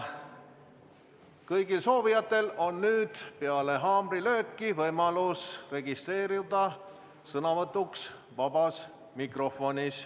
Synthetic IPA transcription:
kɤjɡilso̞ːvijɑt̪ːˑe̞lo̞nːyːd̪̥pe̞ɑle̞ɦɑːmbrilø̞ːkːivɤjmɑlusre̞ɡist̪re̞ːɾiud̪̥ɑ | sɤnɑvɤt̪ːˑuks | vɑbɑs | mikro̞fo̞nʲis

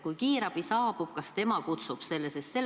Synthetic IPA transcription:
kujkiːɾɑb̥isɑːb̥ub̥̚kɑst̪e̞mɑkut̪sub̥se̞lːesest̪se̞lː

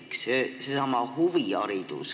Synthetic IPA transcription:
ksesesɑmɑhuviɑ̰ɾid̪̥ṵs

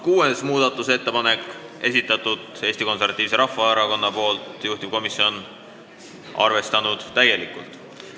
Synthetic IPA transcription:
kuːesmuːd̪̥ɑt̪ːˑuse̞t̪ːe̞pɑne̞kːˑe̞sit̪ːˑɑt̪ːˑud̪̥e̞ːst̪iko̞nservɑt̪ːˑiːvseɾɑfːɑɑɾɑko̞nːɑpo̞ːlt̪juht̪ib̥̚ko̞misio̞n | ʔɑ̰rve̞st̪ɑnud̪̥t̪æje̞likːˑult̪ˑ

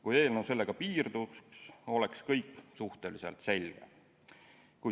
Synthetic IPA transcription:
kuje̞ːlnose̞lːeɡ̥ɑpiːrd̪uskso̞le̞kskɤjkːˑsuht̪e̞liselt̪se̞lʲɡ̥ḛ | ku

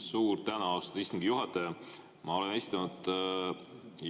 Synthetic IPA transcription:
suːɾt̪ænɑɑwst̪ɑd̪̥ist̪iŋɡ̥ijuɦɑt̪ːˑɑjɑ | mʔɑo̞lenesi̥t̪ːˑɑnud̪̥

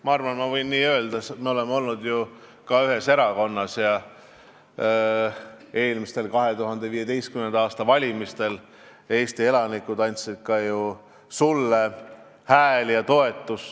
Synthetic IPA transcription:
mɑɑrvɑnmɑvɤjnːiːø̞ːld̪̥ɑset̪meo̞le̞mo̞lnud̪ju | kɑyɦe̞se̞ɾɑko̞nːɑsjɑ | e̞ːlmist̪e̞lkɑɦe̞t̪uɦɑnd̪̥e̞viːe̞d̪e̞jst̪kymend̪ɑːst̪ɑvɑlʲimist̪e̞l | e̞ːst̪ie̞lɑnikːˑud̪̥ɑnʲt̪sid̪̥̚kɑju | sulːe | hæːljɑt̪o̞e̞t̪ːˑus

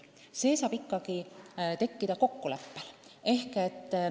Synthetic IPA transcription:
se̞ːsɑːb̥ikːˑɑɡ̥it̪e̞kːid̪̥ɑko̞kːulepːele̞hke̞t̪ː

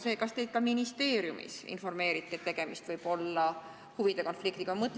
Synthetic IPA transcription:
se̞ːkɑst̪e̞jd̪̥̚kɑminist̪e̞ːɾjumḭsḭnfo̞rme̞ːɾit̪ːˑet̪ːe̞ɡ̥e̞mist̪vɯjb̥o̞lːɑ | huvid̪̥e̞ko̞nflikt̪iɡ̥ɑmɤt̪ːˑ

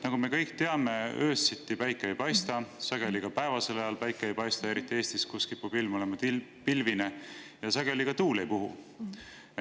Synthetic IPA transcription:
nɑɡ̥ume̞kɤjk̚t̪e̞ɑme̞øːssit̪ːipæjkːˑeejpɑjst̪ɑsɑɡ̥e̞likɑpæevɑse̞lɑjɑlpæjkːˑeejpɑjst̪ɑe̞ɾit̪ːˑie̞ːst̪iskuskipubilmo̞lemɑt̪ipilvinejɑsɑɡ̥e̞likɑt̪uːle̞jpuɦṵ

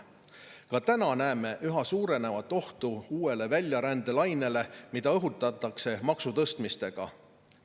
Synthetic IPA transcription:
kɑt̪ænɑnæːme̞ʔyɦɑsuːɾe̞ne̞vɑt̪ːˑo̞ht̪uuːe̞le̞vælʲjɑɾænd̪e̞lɑjne̞le̞mid̪̥ɑɤɦut̪ːˑɑt̪ːˑɑkse̞mɑksut̪ɤst̪mist̪e̞ɡ̥ɑ̰

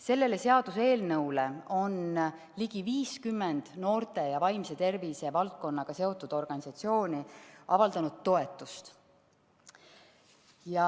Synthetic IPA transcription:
se̞lːe̞le̞se̞ɑd̪̥use̞ːlnɤwle̞o̞n | liɡ̥iviːskymːend̪̥no̞ːrt̪e̞jɑvɑjmse̞t̪e̞rvise̞vɑlt̪̚ko̞nːɑɡ̥ɑse̞o̞t̪ːˑud̪̥o̞rɡ̥ɑnʲisɑt̪sio̞ːnʲiʔɑvɑld̪ɑnud̪̥̚t̪ːo̞e̞t̪ːˑust̪ | jɑ

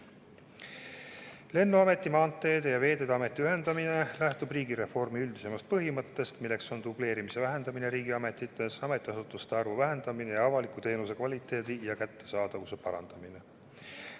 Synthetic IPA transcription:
le̞nːuɑme̞t̪ˑːimɑːnt̪ːˑe̞ːd̪ejɑve̞ːd̪e̞d̪ɑme̞t̪ˑːiyɦe̞nd̪̥ɑmine̞læht̪ubriːɡiɾe̞fo̞rmiyld̪̥ise̞mɑst̪̚pɤɦimɤt̪ːe̞st̪milːe̞kso̞nd̪uble̞ːɾimise̞væɦe̞nd̪̥ɑmine̞ɾiːɡiɑme̞t̪ːˑit̪ːˑesɑme̞t̪ˑːiɑsut̪ːˑust̪eɑrvuvæɦe̞nd̪̥ɑmine̞jɑɑvɑlikˑut̪e̞ːnuse̞kvɑlʲit̪ːˑe̞ːd̪̥ijɑkæt̪ːe̞sɑːd̪̥ɑvuse̞pɑɾɑ̰nd̪̥ɑmine̞

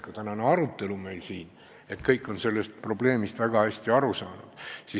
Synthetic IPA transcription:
kɑt̪ænɑneɑɾut̪ːe̞lume̞jlsiːn | e̞t̪kɤjkːˑo̞nse̞lːest̪̚pro̞ble̞ːmist̪væɡ̥ɑhæsʲt̪iɑɾusɑːnud̪̥si

